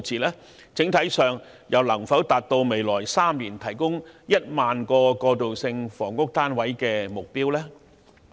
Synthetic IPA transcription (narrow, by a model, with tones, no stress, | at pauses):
t͡sʰiː˨lɛː˥ | t͡sɪ˨˥ŋt̪ʰɐ˨˥jsœː˨ŋ | jɐ˨˧wlɐ˨˩ŋfɐ˨˥wt̪aː˨t̚t̪o˧wme˨˧jlɔː˨˩jsaː˥mliː˨˩nt̪ʰɐ˨˩jkʊ˥ŋjɐ˥t̚maː˨nkɔː˧kɔː˧t̪o˨wsɪ˧ŋfɔː˨˩ŋkʊ˥k̚t̪aː˥nwɐ˨˥jkɛː˧mʊ˨k̚piː˥wlɛː˥